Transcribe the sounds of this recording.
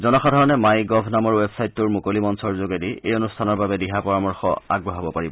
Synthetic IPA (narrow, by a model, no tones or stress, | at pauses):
zɔnɔxʰadʱɔɹɔnɛmajɡɔbʱnamɔɹwebsajtːʊɹmʊkolimɔnsɔɹzoɡediejonustʰanɔɹbabɛdiɦapɔɹamɔɹxɔ̰a̰ɡ̚bɹɔɦabɔpaɹibɔ